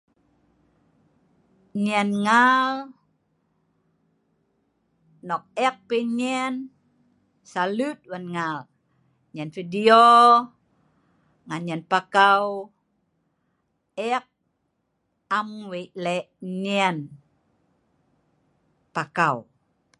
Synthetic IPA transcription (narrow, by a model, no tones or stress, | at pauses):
ɲɛnŋal | nɔk̚ɛk̚peɲɛn | salut̪̚wanŋal | ɲɛnfidio | ŋanɲɛnpakaw | ɛk̚ | amweʔlɛʔɲɛn | pakaw